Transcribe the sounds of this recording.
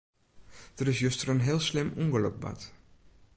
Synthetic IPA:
d̥ərɪsjøstərənɦɪːlˠslɪmuŋɡələ̰k̚ba̰t

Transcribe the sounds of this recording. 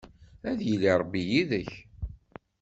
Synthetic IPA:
æðjilːiɾˤəbːijiðəç

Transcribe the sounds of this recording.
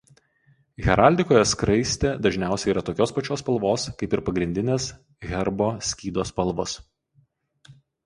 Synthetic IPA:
ɣʲɛɾɑˑlʲd̪ʲɪkoːjɛskɾɐɪsʲt̪ʲeːd̪ɐʒʲnʲæˑʊsʲɛɪiːɾɐt̪oːkʲoːspɐt͡ʃʲoːspɐlˠʋoːskɐɪpɪɾpɐɡɾʲɪnʲd̪ʲɪnʲeːs | ɣʲɛɾboːsʲkʲiːd̪oːspɐlˠʋɔs

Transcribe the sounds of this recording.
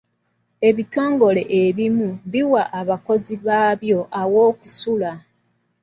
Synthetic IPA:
e̞βito̞ːŋɡo̞le̞ʔeβimuβiwaʔːβako̞ziβaːβjo̞ʔawo̞ːku̥sula

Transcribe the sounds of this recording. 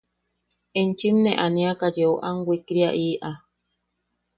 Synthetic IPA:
ent͡ʃimnẽʔanĩakad͡ʒeoʔaŋwʷikɾiaʔiːʔa

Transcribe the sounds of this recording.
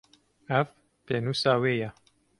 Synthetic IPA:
æv | penuːsaːweːja

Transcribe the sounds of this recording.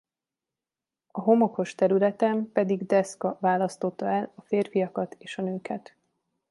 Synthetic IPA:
ɒɦo̞moko̞ʃt̪ɛɾylɛt̪ɛmpɛd̪iɡd̪ɛskɒvaːlɒst̪o̞t̪ːɒɛlɒfeːrfijɒkɒt̪eːʃɒnøːkɛt̪

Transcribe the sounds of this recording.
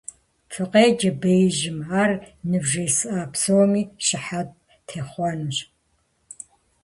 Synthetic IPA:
fʰɨqʼeːd͡ʒɐbejʒɪmaːrnɨbʒejsɨʔaːpʰsowmiːʃɪħat̚ | tʰeːχʷɔnɨɕ

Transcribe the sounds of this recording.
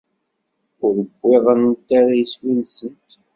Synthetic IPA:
ʊɾəɡʷːɪʁənt̪ːaɾajiswilsənt̪

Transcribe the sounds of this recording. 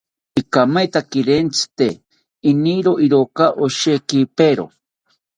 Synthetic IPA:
ikamajt̪akiɾent͡si̥t̪eː | niɾoʔiɾokaʔoʃekipeɾo̰

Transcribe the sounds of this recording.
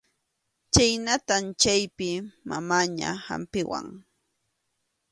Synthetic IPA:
t͡ʃajnat̪ant͡ʃajpɪmamaːɲa̰ha̰mpɪwa̰ŋ

